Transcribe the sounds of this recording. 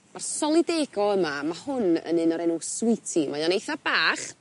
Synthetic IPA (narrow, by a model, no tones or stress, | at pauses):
marsɔlˠideːɡɔəmamahʊnə̰nɨnɔɾɛnuswɪtʰimajɔnejθab̥aːχ